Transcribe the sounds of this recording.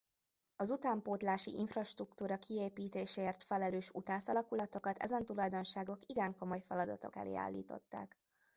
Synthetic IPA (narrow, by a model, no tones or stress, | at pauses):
ɒzut̪aːmpoːt̪laːʃḭʔiɱfrɒʃt̪rukt̪uːɾɒkieːpiːt̪eːʃeːrt̪fɛlɛløːʃut̪aːsɒlɒkulɒt̪o̞kɒt̪ʰɛ̰zɛnt̪ulɒjd̪o̞nʃaːɡo̞kiɡɛŋko̞mo̞jfɛlɒd̪ɒ̰t̪o̞̰kɛ̰lḛːa̰ːlːḭːt̪o̞̰t̪ːa̰ːk